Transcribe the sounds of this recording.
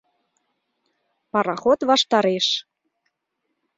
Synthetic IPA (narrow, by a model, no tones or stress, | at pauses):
pɑɾɑxot̪βɑʃt̪ɑɾeʃ